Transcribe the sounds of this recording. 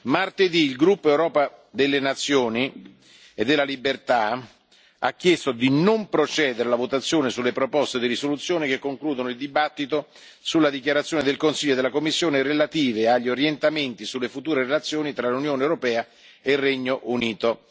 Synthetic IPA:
mart̪ed̪iːlɡɾupːoɛwɾɔːpad̪elːenat̪sːjoːni | ed̪ːelːalibert̪a | a̰kːjest̪od̪inompɾot͡ʃɛːd̪eɾelavot̪at̪sːjoːnesulːepɾopɔst̪ed̪irisolut̪sːjoːnik̟ekːoŋkluːd̪onoild̪ibat̪ːit̪o | sulːad̪ikjaɾat̪sːjoːned̪elkonsilʎːoed̪elakomːisːjoːneɾelat̪iːveaʎːioɾjent̪ament̪isulːefut̪uːɾeɾelat̪sːjoːnit̪ɾalunjoːnewɾopɛːa | ereɲːoʔuniːt̪o

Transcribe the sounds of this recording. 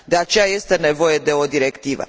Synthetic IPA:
d̪e̞at͡ʃe̞jaje̞st̪e̞ne̞vo̞je̞d̪e̞o̞d̪iɾe̞kt̪ivə̰

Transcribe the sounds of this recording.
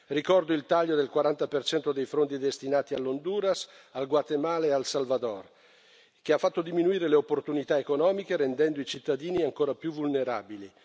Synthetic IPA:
rikɔrd̪oilt̪aʎːod̪elkwaɾant̪apert͡ʃɛnt̪od̪ejfɾont̪id̪est̪inaːt̪ialːond̪uːɾas | alɡwat̪emaːlaalsalvad̪ɔr | k̟eafːat̪ːod̪iminuiːɾeleopːort̪unit̪aekonɔːmikeɾend̪ɛnd̪oit͡ʃit̪ːad̪iːniaŋkoːɾapjuvulneɾa̰ːbili

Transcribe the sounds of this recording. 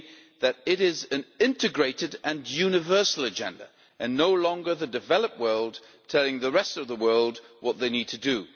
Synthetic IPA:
ðɨɾɪɾɪzɨ̃nɪ̃ntɨɡɹeɪɾɨɾɨ̃njʉnɨvɜ˞sl̩ˠɨd͡ʒɛ̰̃ndə̰ | ʔɨ̃nːoʊlɔ̃ŋɡə˞ðɨdɨvɛlˠəp̚wɜ˞lˠd̚ | tʰɛlˠɪ̃ŋðəɹɛstʌvðəwɜ˞lˠd̚wʌt̪̚ðeɪnid̚tʰɨdɨ

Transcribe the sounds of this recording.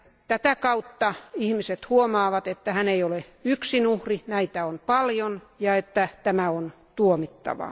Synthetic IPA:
t̪æt̪ækɑut̪ːɑihmiset̪huomɑːʋɑt̪et̪ːæhæneijoleyksinuhrinæit̪æonpɑljon | jɑet̪ːæt̪æmæon | t̪uomit̪ːɑ̰ʋɑ̰

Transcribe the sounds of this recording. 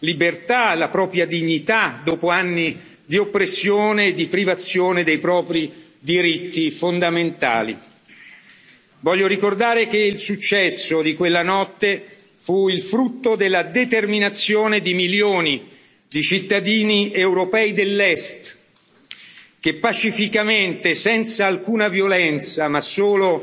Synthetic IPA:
libert̪alapɾɔːpɾjad̪iɲːit̪ad̪oːpoanːi | d̪iopːɾesːjoːneːd̪ipɾivat̪sːjoːned̪ejpɾɔːpɾi | d̪iɾit̪ːifond̪ament̪a̰ːlḭ | vɔʎːoɾikord̪aːɾek̟eilsut͡ʃːɛsːod̪ikwelːanɔt̪ːe | fuilfɾut̪ːod̪elːad̪et̪erminat̪sːjoːned̪imiljoːni | d̪it͡ʃit̪ːad̪iːniewɾopɛːid̪elːɛst̪ | k̟epːat͡ʃifikament̪esɛnt̪saːlkuːnavjolɛnt̪samasːoːlo

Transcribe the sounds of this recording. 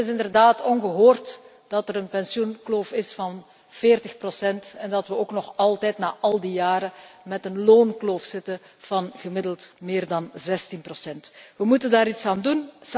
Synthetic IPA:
ɪsɪndərdaːtɔnɣəɦoːrt | d̥ɑtəɾənpɛnsjunkloːfɪsfɑn | v̥eːrtəxprosɛntɛndɑtʋəoːknɔxɑlˠtɛːtnaːʔɑlˠdijaːɾəmɛtənloːnkloːfsɪtə | v̥ɑnɣəmɪdəlˠtmɪːrdɑnzɛstinprosɛntʋəmutəndaːɾitsaːnduns

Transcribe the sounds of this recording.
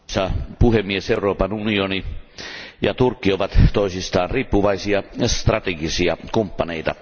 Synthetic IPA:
sɑpuhemːieseuroːpɑnunioni | jɑt̪urkːioʋɑt̪t̪oisist̪ɑːnriːpːuʋɑisiɑst̪rɑt̪eɡisiɑkumpːɑneit̪ɑ̰

